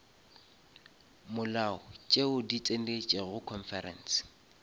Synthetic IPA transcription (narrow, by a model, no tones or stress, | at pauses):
mʊlaʊt͡ʃʼeʊdit͡sʼen̩det͡ʃʼeɣʊkʰɔnfɛrɛ̰nsɪ̥